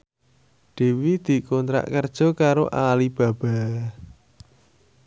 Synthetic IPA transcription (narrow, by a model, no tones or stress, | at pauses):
ɖ̪̥e̤wid̪̥i̤kont̪ɾa̰ʔkərd̥ʒ̥ɔ̤kaɾoʔalib̥ä̤b̥a̤